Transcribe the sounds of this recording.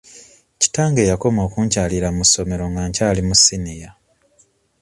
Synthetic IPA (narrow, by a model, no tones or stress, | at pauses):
ci̥taːŋɡe̞ːjako̞mo̞ːkuːɲcaːliɾamusːo̞me̞ɾo̞ŋɡaːɲcaːlimusinija